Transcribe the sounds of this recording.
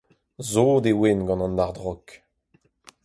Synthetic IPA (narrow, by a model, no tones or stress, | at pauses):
zoːd̪ewenɡɑ̃nɑ̃ndaʁd̪ʁɔk